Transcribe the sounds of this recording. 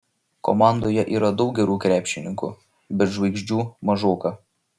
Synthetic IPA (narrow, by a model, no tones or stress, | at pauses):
kɔ̰mɑˑnd̪oːjɛʔiːɾɐd̪ɒʊk̚ɡʲɛɾuːkɾʲæːpʲʃʲɪnʲɪŋkṵ | bʲɛɾʒʋɐɪɡʒʲd͡ʒʲuːmɐʒoːkɐ